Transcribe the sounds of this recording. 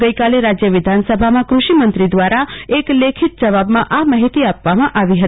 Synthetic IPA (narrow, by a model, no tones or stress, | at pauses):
ɡəjkaleɾad͡ʒjəʋɪd̪ʱansəbʱamãkɾuʃimənt̪ɾid̪ʋaɾaeklekʰit̪̚d͡ʒəʋabmãʔamaɦit̪iapʋamãʔaʋiɦət̪i